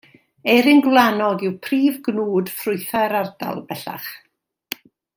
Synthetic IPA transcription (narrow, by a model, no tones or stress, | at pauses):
ɛɾɪnɡwlˠanɔɡɪwpʰriːvɡnuːdfrʊɨθɛɾarda̰lˠb̥ɛɬa̰χ